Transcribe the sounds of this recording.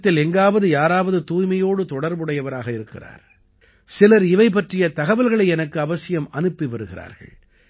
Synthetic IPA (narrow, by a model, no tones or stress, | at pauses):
t̪ːɪlɛŋɡaːʋɐðɯjaːɾaːʋɐðɯt̪uːjmɐjoːɽɯt̪ɔɽɐɾbɯɽɐjɐʋɐɾaːɣɐɪɾɯkːɪ̰ra̰ːɾ | sɪlɐɾɪʋɐɪp̬ɐʈrɪjɐt̪ɐɣɐʋɐlɣɐɭɐɪɛnɐkːɯɐʋɐsɪjɐmɐnɯpːiʋɐɾɯɣɪra̰ːɾɣɐ̰ɭ